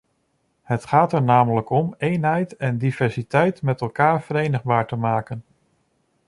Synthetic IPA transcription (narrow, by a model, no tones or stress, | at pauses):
hətχaːtɛɹnaːmələkɔmejnɦɛjtɛndiv̥ɛɹsitɛjtmɛtɛlˠkaːɹv̥əɾejnəχbaːɹtəmaːkən